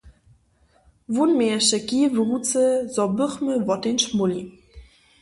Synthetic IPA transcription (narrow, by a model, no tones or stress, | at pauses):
vunmeəʃəkivəʁut͡səzɔbəχməvɔtenʃmuli